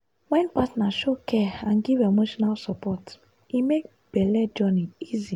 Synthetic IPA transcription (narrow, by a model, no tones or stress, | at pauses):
wɛ̃npatnaʃokʰɛãnɡivemoʃɔnalsɔpʰɔt | imek̚ | b̥ɛlɛd͡ʒɔnĩizi